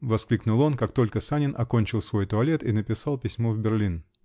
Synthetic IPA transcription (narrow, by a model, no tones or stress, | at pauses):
vɐsklʲiknʊlˠo̞nkakt̪o̞lʲkəsanʲɪnʔɐ̰ko̞nʲt͡ɕɪlˠsvo̞jt̪ʊɐlʲe̞t̪inəpʲɪsɑlˠpʲɪsʲmovbʲɪrlʲin